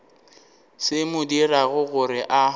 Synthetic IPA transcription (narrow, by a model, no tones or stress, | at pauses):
sɪmʊdiraɣʊɣʊɾɪʔa